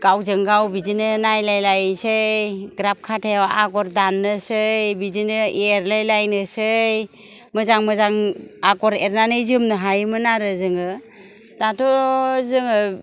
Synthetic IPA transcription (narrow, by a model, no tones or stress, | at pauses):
ɡ̥awzɯŋɡawbid͡ʒinɯnajlajlajsɯɡɾap̚kʰatʰeaʔaɡɔɾdanːɯsɯjbid͡ʒinɯiɾlajlajnɯsɯj | mɯzaŋmɯzaŋaɡɔɾeɾnanɯjzɯmnɯɦajmɯnaɾɯzɯŋɯ | tatʰɔzɯŋɯ